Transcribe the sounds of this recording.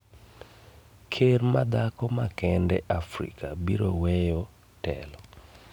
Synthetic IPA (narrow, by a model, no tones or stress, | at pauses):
kʰermad̪akɔmakɛndɛ̰ʔafɾḭkabiɾowɛjɔ | tɛ̰lɔ